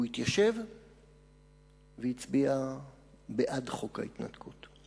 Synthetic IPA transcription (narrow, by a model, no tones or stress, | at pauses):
uit̪jaʃev | veit͡sbia | beʔadχo̞ka̰it̪na̰tkʰut